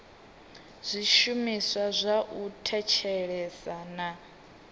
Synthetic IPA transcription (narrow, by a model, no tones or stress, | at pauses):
zʷiʃumiswazʷaʔutʰɛt͡ʃʰɛɺɛzana